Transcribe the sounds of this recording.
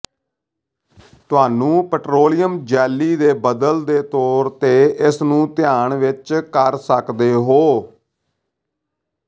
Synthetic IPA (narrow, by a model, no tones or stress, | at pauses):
t̪ʊaːnũːpəʈɾoːlɪjəmd͡ʒɛːlːiːd̪eːbəd̪əld̪eːt̪ɔːɾt̪eːɪsnũːt̪ɪjaːɳʋɪt͡ʃkəɾsəkd̪eːɦoː